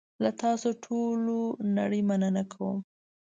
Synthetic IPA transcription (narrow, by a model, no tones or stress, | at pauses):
lat̪ɑsoʈʰolona̰ɽəjmanənakʰawə̰m